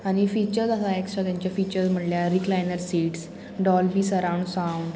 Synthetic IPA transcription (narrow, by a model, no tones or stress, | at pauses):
aɽ̃ifiːt͡ɕəɾsasaeksʈɾat̪jaɲt͡ɕjafiːt͡ɕəɾsm̤əʈljaɾiklajnəɾsiːʈs | ɖɔlbiːsəɾãwɳɖsawɳɖ